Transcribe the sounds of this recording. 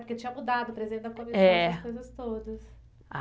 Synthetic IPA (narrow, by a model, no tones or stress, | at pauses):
poɾket͡ʃĩɲɐmud̪ad̪ʊpɾezidẽt͡ʃ̪d̪ɐkõmiɛ̃ɐkojzɐst̪od̪ɐs | a